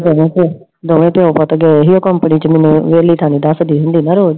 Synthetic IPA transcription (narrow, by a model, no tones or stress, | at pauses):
d̪oːʋẽːpõ | d̪oːʋẽːpɪõːpət̪ɡɛːɦiːoːkəmpəniːt͡ʃəmɛːnũːʋeːliːt̪ʰaːñĩːd̪əsd̪iːɦʊ̃nd̪iːnaːɾoːd͡ʒ